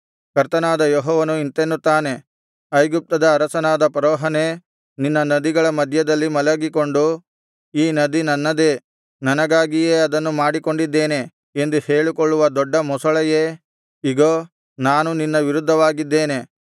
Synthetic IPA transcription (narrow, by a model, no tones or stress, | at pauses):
kɐɾt̪ɐnaːd̪ɐjɔɦɔːʋɐnuint̪enːut̪ːaːne̞ | ɐjɡup̚t̪ɐd̪ɐːɾɐsɐnaːd̪ɐpɐɾɔːɦɐne̞ | ninːɐnɐd̪iɡɐɭɐmɐd̪ʱjɐd̪ɐlːimɐlɐɡiko̞ɳɖu | iːnɐd̪inɐnːɐd̪e̞ | nɐnɐɡaːɡijeːɐd̪ɐnːumaːɽiko̞ɳɖid̪ːe̞ːne̞ | end̪uhe̞ːɭikoɭːuʋɐd̪ɔɖːɐmɔsɐɭɐjeː | iɡoː | naːnuninːɐʋiɾud̪ʱːɐʋaːɡid̪ːe̞ːne̞